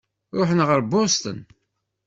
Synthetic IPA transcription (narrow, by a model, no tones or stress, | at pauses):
ɾʊħnʁəɾbost̪ə̰n